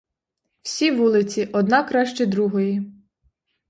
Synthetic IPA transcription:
w̥sʲiʋulˠɪt͡sʲiʔɔd̪nɑkɾɑʃt͡ʃɛd̪ɾuɦɔji

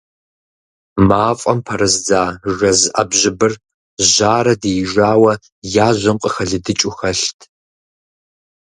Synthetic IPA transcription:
maːfʼɐmpʰɐɾɐzd͡zaːʒɐzʔɐ̰bʑɪbɨr | ʒaːɾɐdeːʒaːwɐ | jaːʑʷɐmqʼəxɐɮɨdɨt͡ʃʼʊxɐɬtʰ

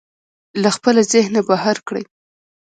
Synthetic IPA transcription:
laxpəlazɪhnabahaɾkɽə̰j

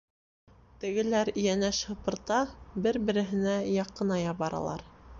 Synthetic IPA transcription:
t̪ɘ̆ɡɘ̆læɾĭjænæʃhɤ̆pɤ̆ɾt̪ɑbɘɾbɘ̆ɾɘ̆ɦɘ̆næjɑqːɤ̆nɑjɑβɑɾɑ̰lˠɑ̰ɾ

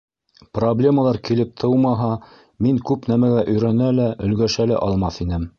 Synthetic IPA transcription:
problʲe̞məlˠɑɾkilɘp̚t̪ʰɤwmɑɦɑ | miŋkʉpnæmæɡæʔɵ̆jɾænælæʔɵ̆lɡæʃælæ̰ʔɑlˠmɑθinɘm

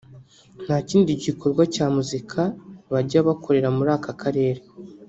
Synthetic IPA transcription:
n̥haːciːndiɟikʰo̞ɾɡwacaːmuzikʰaβaɾɟaβakʰo̞ɾe̞ɾamuɾaːkakʰaɾe̞ːɾe

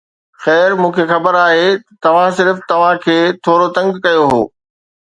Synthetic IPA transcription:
xɛːɾmũːkʰexɐbəɾaːɦet̪t̪ɐʋ̤ãsɪɾft̪ɐʋ̤ãkʰeːt̪ʰoːɾot̪ɐ̃ŋɡkɐjoɦo̰ː

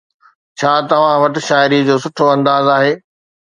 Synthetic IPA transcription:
t͡ɕʰaːt̪ɐʋ̤ãʋɐʈɪ̆ʃaːɪɾid͡ʑoːsʊʈʰoɐ̃nd̪aːzaːɦeː

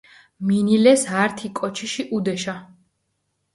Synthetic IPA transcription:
minilɛsaɾt̪ʰikʼɔt͡ʃʰiʃiʔud̪ɛʃa

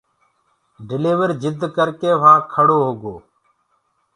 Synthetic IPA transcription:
ɖɪleːʋəɾd͡ʒɪd̪ʱkəɾkeːʋ̤ãːkʰəɽoːɦoːɡoː

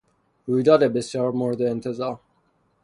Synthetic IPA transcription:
ɾuːjd̪ɒːd̪ebesjɒːɾmoɾed̪eːnt̪ʰezɒːɾ

